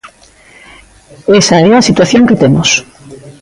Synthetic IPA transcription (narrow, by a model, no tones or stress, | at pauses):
esaɾasit̪waθjõŋket̪emos